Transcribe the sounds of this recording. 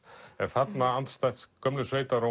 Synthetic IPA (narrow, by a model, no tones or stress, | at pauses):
ɛɾ̥θat̪naant̪st̪ajt̪skœmlʏsveːjt̪aɾo